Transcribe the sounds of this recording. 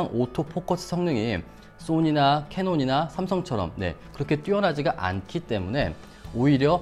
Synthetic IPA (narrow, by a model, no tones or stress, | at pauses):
ŋotʰopʰokʰʌsʰɯ̥sʰʌŋnɯŋi | s͈oɲinakʰe̞noɲinasʰamsʰʌŋt͡ɕʰʌɾʌ̰mne̞̰kɯɾʌkʰe̞t͈ɥiʌnɦad͡ʑiɡaʔa̰nkʰit͈e̞mune̞̰ | oiɾjʌ